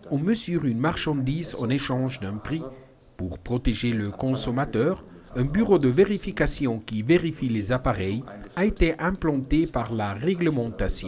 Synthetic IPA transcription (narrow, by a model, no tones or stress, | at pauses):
ɔ̃məzyːʁynmaʁʃɑ̃d̪izɑ̰̃neʃɑ̃ʒd̪ɛ̃pχi | puʁpχɔt̪eʒeləkɔ̃sɔmat̪œːʁ | ɛ̃byʁod̪əveʁifikasjɔ̃kʲiveʁifilezapaʁɛjaet̪eʔɛ̃plɑ̃t̪epaʁlaʁɛɡləmɑ̃t̪asjɔ̃